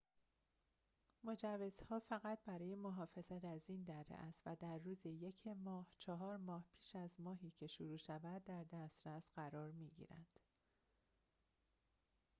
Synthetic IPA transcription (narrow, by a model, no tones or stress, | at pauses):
mo̞d͡ʒævːe̞z̥hɒːfæɣæt̪̚ʰbæɾɒːje̞moɦɒːfe̞zæt̪ʰæziːnd̪æɾːḛʔæst̪væd̪æɾːuːzeje̞cʰemɒːht͡ʃʰɒɦɒːɾmɒːhpʰiːʃæzmɒːɦiːcʰe̞ʃuɾuːʃævæd̪̚dːæɾd̪æst̪ɾæsɢæɾɒːɾmiːɟḭːɾæ̰nd̪̥